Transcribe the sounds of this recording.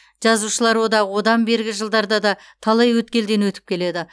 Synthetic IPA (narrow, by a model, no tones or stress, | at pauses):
ʒ̥ɑzuʃəlˠɑɾwo̞d̪ɑʁəwo̞d̪ɑmbe̞ɾɡʲɪʒəlˠd̪ɑɾd̪ɑd̪ɑ | t̪ʰɑlˠɑjwɵt̪kʲe̞ld̪e̞nwɵt̪ɪ̥p̚kʲʰe̞le̞d̪ɪ